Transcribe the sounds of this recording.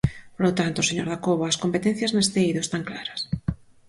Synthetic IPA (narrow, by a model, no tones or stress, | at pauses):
polot̪ant̪oseɲoɾðakoβaːskompet̪en̟θjɐznest̪eiðoest̪aŋklaɾɐs